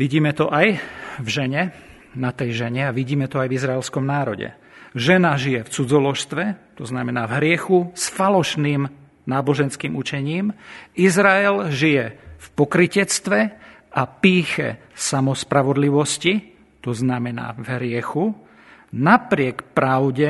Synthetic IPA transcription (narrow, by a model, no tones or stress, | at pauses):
ʋiɟiːmɛt̪ɔʔajvʒɛɲɛ | nat̪ɛjʒɛɲɛaʋiɟiːmɛt̪ɔajvizɾaɛlskɔmnaːɾɔɟɛ̰ | ʒɛnaʒijɛft͡sud͡zɔlɔʃst̪ʋɛt̪ɔznamɛnaːvɦɾɪɛxusfalɔʃniːm | naːbɔʒɛnskiːmut͡ʃɛɲiːmizɾaɛlʒijɛfpɔkɾicɛt͡st̪ʋɛ | apiːxɛ̰samɔspɾaʋɔd̪liʋɔsci | t̪ɔznamɛna̰ːvɦɾɪɛxu | napɾɪɛkpɾaʊɟɛ